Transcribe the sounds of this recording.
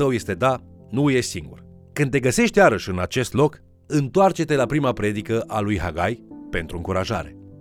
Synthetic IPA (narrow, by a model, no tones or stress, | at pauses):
əwje̞st̪e̞d̪a | nuujeʃsiŋɡṵr | kɨnd̪eɡəse̞ʃt̪jaɾəʃʲɨnat͡ʃe̞st̪lo̞k | ɨnt̪oart͡ʃe̞t̪e̞lapɾimapɾe̞d̪ikəʔalujɦa̰ɡajpe̞nt̪ɾuɨŋkuɾaʒa̰ɾe̞̰